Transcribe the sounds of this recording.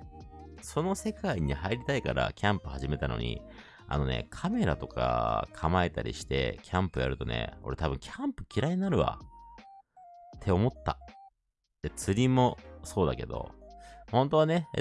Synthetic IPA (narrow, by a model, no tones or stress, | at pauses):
so̞no̞se̞kaiɲ̟ihaiɾʲit̪aikaɾa̰kʲʰãmpɯ̟haʑime̞t̪ano̞̰ɲḭ | a̰no̞ne̞̰kʰame̞ɾat̪o̞ka̰kʰamae̞t̪aɾʲḭɕi̥t̪e̞̰kʲʰãmpɯjaɾɯ̟t̪o̞̰ne̞̰o̞̰ɾe̞t̪abɯ̟̃ŋkʲʰãmpɯ̟̥kʲiɾaiɲʲinaɾɯ̟βa̰ | t̪ʰːe̞o̞mo̞t̪ːa | d̪̥e̞t͡sɨɾʲimo̞so̞ːd̪ake̞d̪o̞̰hõnt̪o̞ane̞